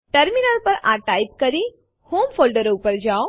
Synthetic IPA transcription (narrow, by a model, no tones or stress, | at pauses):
ʈəɾminəɾpəɾaʈajp̚kəɾi | hoːmfʰolɖəɾupəɾd͡ʒao